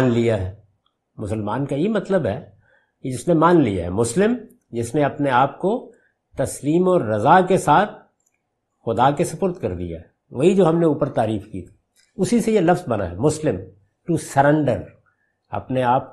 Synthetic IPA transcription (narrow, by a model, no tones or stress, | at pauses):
nlijaɦɛː | mʊsəlmaːnkajemɐt̪ləbɦɛː | ked͡ʒɪsnemaːnlija̰ɦɛ̰mʊslɪm | d͡ʒɪsneɐpneaːp̚ko | t̪ɐsliːmɔːɾːɐzakesaːt̪̚ʰ | xʊd̪akesɐpʊɾt̪kɐɾd̪ḭja̰ɦɛ | ʋɐɦid͡ʒoːɦɐmneuːpəɾt̪aːɾiːfkiːt̪ʰi̥ː | ʊsisejelɐfzbɐna̰ɦɛ̰ːmʊslɪm | ʈuːsɐɾɛ̃ɳɖəɾ | ɐ̰pneaːp̚